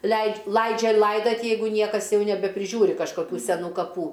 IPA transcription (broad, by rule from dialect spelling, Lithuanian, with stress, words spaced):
lʲɛɪtʲ ˈlˠɐɪd͡ʒʲɛ ˈlˠɐɪdɐtʲ ˈjɛɪɡʊ ˈnʲiɛkɐs ˈjɛʊ nʲɛbʲɛpʲrʲɪˈʒʲuːrʲɪ kɐʃkɐˈkʲuː sʲɛˈnuː kɐˈpuː